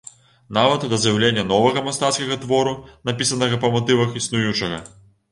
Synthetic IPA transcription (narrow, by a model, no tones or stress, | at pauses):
navɐt̪d̪ɐzjawlʲenʲːɐnɔvɐɣɐmast̪at̪skɐɣɐt̪vɔɾunapʲisɐnɐɣɐpɐmɔt̪ɨvɐxisnujut͡ʂɐɣɐ̰